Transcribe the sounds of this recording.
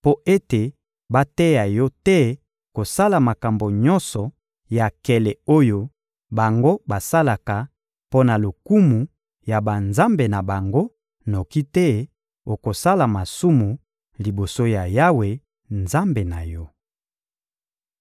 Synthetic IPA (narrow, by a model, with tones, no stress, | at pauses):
po˦ʔe˦te˨ | ba˦tɛ˦ja˨jɔ˦tɛ˦ | ko˨sa˦la˨ma˨ka˨mbo˨ɲɔ˦nsɔ˨ | ja˨kɛ˨lɛ˨o˦jo˦ | ba˨ŋɡo˦ba˨sa˦la˨ka˨ | po˦na˨lo˨ku˦mu˨ | ja˨ba˨nza˦mbe˨na˨ba˨ŋɡo˦ | no˨ki˦tɛ˦ | o˨ko˨sa˦la˨ma˨su˦mu˨ | li˨bo˨so˦ja˨ja˦we˨ | nza˦mbe˨na˨jɔ˦